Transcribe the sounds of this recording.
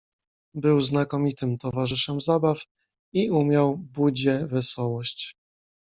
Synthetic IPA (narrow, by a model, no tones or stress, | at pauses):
bɘwznakɔmʲit̪ɘmt̪ɔvaʐɘʂɛmzabaf | iumʲjawbud͡ʑɛvɛsɔwɔɕt͡ɕ